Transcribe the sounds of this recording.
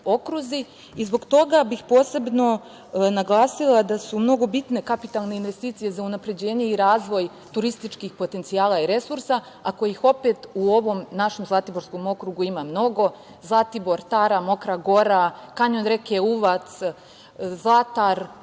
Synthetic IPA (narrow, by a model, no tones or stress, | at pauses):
o̞kɾuzi | izbo̞ɡt̪o̞ɡabixpo̞ːse̞bno̞ | naɡlˠaːsilˠad̪asumno̞ɡo̞bit̪ne̞kapit̪alˠne̞inʋe̞st̪iːt̪sije̞zaunapɾe̞d͡ʑe̞ːɲe̞iɾaːzʋo̞j | t̪uɾist̪it͡ʃkixpo̞t̪e̞nt̪sijaːlˠaiɾe̞suɾsa | ako̞jixo̞pe̞t̪uo̞ʋo̞mnaʃe̞mzlˠat̪ibo̞ɾsko̞mo̞kɾuɡuimamno̞ɡo̞ | zlˠat̪ibo̞ɾt̪aɾamo̞kɾaɡo̞ɾakaɲo̞nɾe̞keuʋat̪s | zlˠat̪aɾ